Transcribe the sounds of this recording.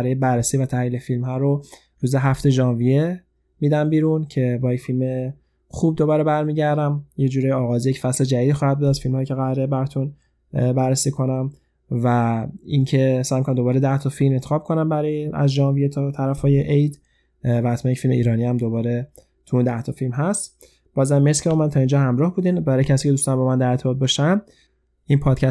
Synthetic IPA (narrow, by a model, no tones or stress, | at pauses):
æɾɒːjebæɾːesiːvæt̪ʰæhliːlefilmɦɒːɾo | ɾuːzeɦæft̪e̞ʒɒːnvije | miːd̪æmbiːɾuncʰe̞bːje̞cfilme̞ | xuːb̚d̪o̞bɒːɾe̞bæɾmiːɟæɾd̪æmjed͡ʒuːɾeːjeɒːɣɒːzijecʰfæsled͡ʒæd̪iːd̪iːxɒːhæd̪̚bud̪æʃfilmhɒːjicʰeɣæɾebæɾɒt̪ʰun | bæɾːesiːkʰo̞næm | væincʰe̞sæːjmikʰonæmd̪o̞bɒːɾed̪æht̪ʰɒfilme̞nt̪exɒːb̥̚kʰo̞næmbæɾɒːjeæ̰zd͡ʒɒːvijet̪ʰɒt̪ʰæɾæfɒːjeʔejd̪ | væhːt̪ʰmænjecfilmeiːɾɒːniæmd̪o̞bɒːɾe | t̪ʰuund̪æht̪ʰɔfilmɦæst̪ | b̥ɒːzæmːeskcʰebɒmænt̪ʰɒːind͡ʒɒːɦæmɾɒːhbuːd̪iːnbæɾɒːjecʰæs̬iːcʰeust̪ɒnbɒːmænd̪æɾeɾt̪ebɒːt̪̚bɒːʃæm | inpʰɒːd̪̥̚cʰæ